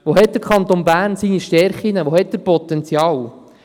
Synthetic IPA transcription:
ʋoɦɛt̚d̥̪əɾkχɑnt̪onbæːɾnsiniʃtɛɾχinəʋohɛt̚d̥̪əɾpɔt̪ɛnt͡sjɑːw

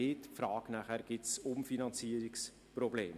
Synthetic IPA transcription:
ɪtfɾɑːɡ̥næχæɾɡ̥ɪtsʊmfinɑnt͡siəɾiks | prɔbleːm

